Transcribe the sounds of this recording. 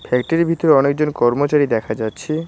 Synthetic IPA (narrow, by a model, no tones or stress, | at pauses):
fʰɛk̚ʈaɾibʱit̪oɾeɔnek̚d͡ʑonkɔɾmot͡ɕaɾid̪ɛkʰad͡ʑatːɕʰi